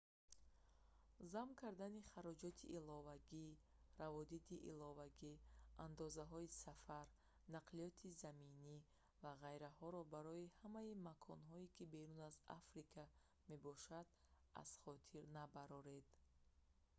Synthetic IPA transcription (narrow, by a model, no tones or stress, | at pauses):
zamkʰaɾd̪aniχaɾɔd͡ʒɔt̪ʰiʔːlɔvaɡi | ravɔd̪it̪iʔḭlɔvaɡiand̪ɔzaɦɔisafaɾ | naqʰliɔt̪ʰizamini | vaʁajɾahɔɾɔbaɾɔihamaimakʰɔnɦɔikʰibe̞ɾunaza̰fɾikʰa | me̞bɔʃad̪ | a̰z̥χɔt̪ʰiɾnabaɾɔɾe̞d̪̥